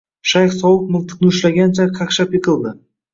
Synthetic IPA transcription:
ʃajχsɒwəq̚mʊlˠt̪ʰɨ̥qnɪʊʃlaɡʲant͡ʃʰaqʰaqʃapɪqʰɨlˠd̪ɪ

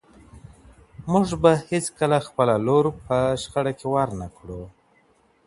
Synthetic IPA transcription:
mʊʐbahɪt͡skəlaxpəlaloɾpəʃxəɽakewaɾnakɽu

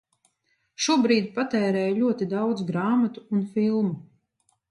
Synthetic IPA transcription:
ʃuɔbɾiːd̪ʲpat̪ɛːɾɛːjʎʲuɔt̪id̪awd̪zɡɾaːmat̪u̥ːnfilˠmu

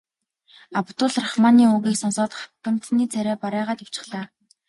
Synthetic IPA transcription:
apt̪ʊːɮraχmaːniːuɣiːksɔnsɔːt̪χḁkɘ̆m̥t̪niːt͡sʰæɾʲæːpaɾæːʁaːt̪aw̥t͡ɕɪ̥̆χɮaː

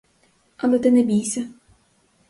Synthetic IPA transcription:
ɐlɛt̪ɪnɛbʲijsʲɐ

